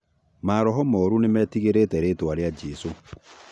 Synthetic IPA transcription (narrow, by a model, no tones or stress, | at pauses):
maɾɔɦɔmɔːɾunemɛːtiɣeɾetɛɾeːtoaɾead͡ʒɛso